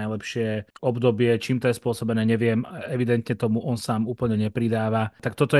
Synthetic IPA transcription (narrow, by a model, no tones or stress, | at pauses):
ajlɛpʃɪɛɔbd̪ɔbɪɛt͡ʃiːmt̪ɔjɛspʊɔsɔbɛnɛːɲɛʋɪɛmaɛʋid̪ɛnt̪ɲɛt̪ɔmuʔɔnsaːmuːpl̩ɲɛɲɛpɾid̪aːʋat̪akt̪ɔt̪ɔ